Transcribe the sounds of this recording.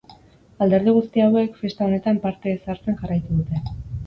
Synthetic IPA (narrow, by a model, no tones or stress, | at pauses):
ald̪e̞ɾð̞iɣ̞ust̪iawe̞kfe̞st̪ao̞ne̞t̪ampaɾt̪e̞ːsaɾt͡se̞nʝarajt̪uðut̪e̞